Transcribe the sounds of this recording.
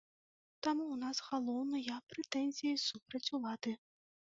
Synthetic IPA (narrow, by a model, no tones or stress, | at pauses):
t̪amunasɣalˠɔwnɐjɐpɾɛt̪ɛnʲzʲijisupɾɐt͡sʲulˠad̪̥ɨ